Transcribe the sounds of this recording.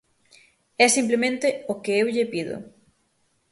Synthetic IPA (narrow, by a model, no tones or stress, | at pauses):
ɛsimplemẽnt̪ɪokeewʎɪpiðʊ̰